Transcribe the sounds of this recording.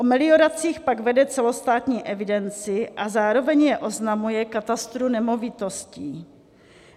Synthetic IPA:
ʔomɪlɪo̞ɾat͡siːxpaɡvɛdɛt͡sɛlo̞st̪aːt̪ɲiːʔɛvɪdɛnt͡sɪʔazaːɾo̞vɛɲjɛʔo̞znamujɛkat̪ast̪ɾunɛmo̞vɪt̪o̞sciː

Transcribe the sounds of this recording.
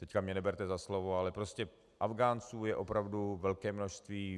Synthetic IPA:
t̪ɛckamɲɛnɛbɛɾt̪ɛzaslovoalɛpɾo̞scɛ | ʔavɡaːnt͡suːjɛʔo̞pɾavduvɛlkɛːmnoʃst̪viː

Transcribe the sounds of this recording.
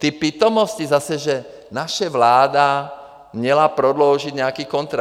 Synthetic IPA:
t̪ipiːt̪ɔmɔscizasɛʒɛ | naʃɛʋlaːd̪a | mɲɛlapɾɔd̪lɔʊʒiɟɲɛakiːkɔnt̪ɾa

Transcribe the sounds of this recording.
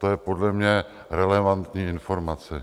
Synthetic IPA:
t̪ojɛpo̞dlɛmɲɛ | ɾɛlɛvant̪ɲiːɪnfo̞ɾmat͡sɛ

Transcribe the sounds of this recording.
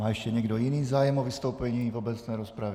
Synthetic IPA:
maːɛʃcɛɲɛɡdojiniːzaːjɛmovist̪owpɛɲivobɛt͡snɛjɾospɾavɪ

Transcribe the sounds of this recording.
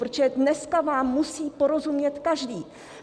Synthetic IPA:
ɾot͡ʃɛdnɛskavaːmːusiːpo̞ɾo̞zumɲɛt̪kaʒdiː

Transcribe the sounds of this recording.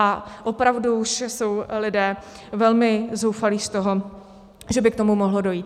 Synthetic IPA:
aʔo̞pɾavduuʃso̞wlɪdɛː | vɛlmɪzowfaliːst̪oɦo | ʒɛbɪkt̪omumoɦlodo̞jiːt̪̚

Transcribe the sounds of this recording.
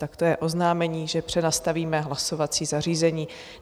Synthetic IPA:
t̪akt̪ojɛʔo̞znaːmɛɲiːʒɛpr̝̥ɛnast̪aviːmɛɦlaso̞vat͡siːzar̝iːzɛɲiː

